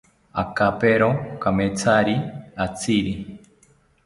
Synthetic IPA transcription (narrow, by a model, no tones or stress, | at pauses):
a̰kapeɾokameːt͡sʰaɾiat͡sʰiɾi